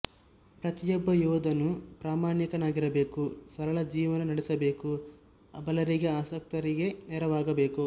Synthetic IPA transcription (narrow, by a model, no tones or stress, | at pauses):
pɾɐt̪ijɔbːɐjɔːd̪ɐnupɾaːmaːɳikɐnaːɡiɾɐbe̞ːkusɐɾɐɭɐd͡ʒiːʋɐnɐnɐɽɛsɐbe̞ːku | ɐ̰bɐlɐɾiɡeaːsɐk̚t̪ɐɾiɡe̞nɛɾɐʋaːɡɐbe̞ːku